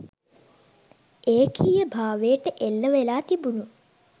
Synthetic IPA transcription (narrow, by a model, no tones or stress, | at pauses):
eːkʰijəbʱaːʋejʈəʔelːəʋelaːt̪ibunu